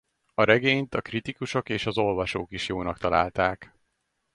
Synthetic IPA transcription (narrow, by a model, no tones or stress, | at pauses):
ɒɾɛɡeːɲt̪ɒkrit̪ikuʃo̞keːʃɒzo̞lvɒʃoːkiʃjoːnɒkt̪ɒla̰ːlt̪aːk